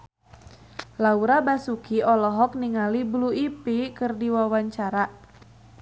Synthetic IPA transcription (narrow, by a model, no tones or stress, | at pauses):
lauɾabasukiɔlɔɦɔk̚niŋalibluipikɨrdiwawaɲt͡ʃaɾa